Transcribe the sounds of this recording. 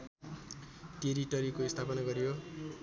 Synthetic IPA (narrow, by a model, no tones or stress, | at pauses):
ʈeɾiʈʌɾikoist̪ʰapʌnaɡʌɾijo